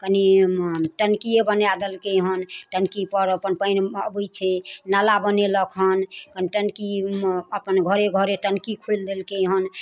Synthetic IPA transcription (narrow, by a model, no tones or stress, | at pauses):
kəniʈənkiebənjad̪elkeɦənʈənkipəɾəpənpəɪnəbəjt͡ʃʰɛnalabəneləkʰɦənkəniʈənkiəpənɡʱəɾeɡʱəɾeʈənkikʰuld̪elkeɦən